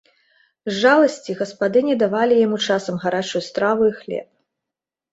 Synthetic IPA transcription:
zʐalˠɐsʲt͡sʲiɣɐspad̪ɨnʲɛd̪avalʲijamut͡ʂasɐmɣaɾat͡ʂujust̪ɾavuixlʲɛ̰p̚

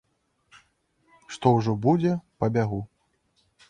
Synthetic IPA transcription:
ʂt̪ɔwʐɔbud͡zʲɛpɐbʲaɣu

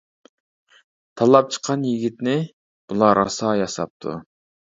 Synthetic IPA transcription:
t̪ʰɑlˠɑp̚t͡ʃʰə̥qʰɑnjiɡʲit̪nɪ | b̥ulˠɑɾɑsɑːjɑsɑ̰p̚t̪ʰṵ

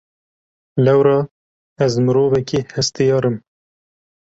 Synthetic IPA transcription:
lɛwɾɑː | æzmɨɾoːvɛkiːhɛst̪ɨjɑːɾɨm

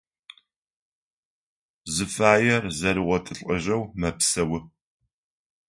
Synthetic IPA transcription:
zɨfaːjɛrzɐɾɨʁʷɔtʰɨɬʼɐʑɐwmɐpsɐwʊ

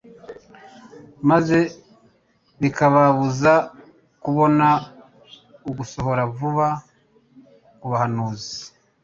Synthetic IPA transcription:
maze̞ | βikaβaβuza | kuβo̞na | uɡuso̞ɦo̞ɾavuβa | kuβahanuːzi

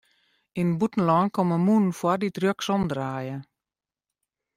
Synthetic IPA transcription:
inbutn̩lɔːnkɔməmunfwaditrjøksɔmdraːjə

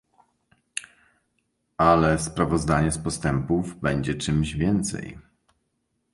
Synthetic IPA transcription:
ʔalɛspɾavɔzd̪aɲɛspɔst̪ɛmpuvbɛɲd͡ʑɛt͡ʂɘmʑvʲjɛnt̪sɛ̰j

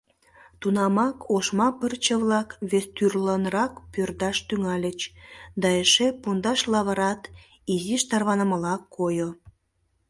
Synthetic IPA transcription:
t̪unɑmɑkʰoʃmɑpərt͡ɕəβlɑkβest̪yrlənɾɑkpørd̪ɑʃt̪yŋɑlʲət͡ɕd̪ɑeʃepund̪ɑʃlɑβəɾɑt̪ | iziʃt̪ɑrβɑnəməlɑkʰːojo

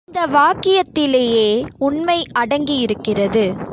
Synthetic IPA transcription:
ɪnd̪ɐʋaːkːɪjɐt̪ːɪleːjeːʊɳmɐɪɐɽɐŋɡijɪɾɯkːɪrɐðɯ

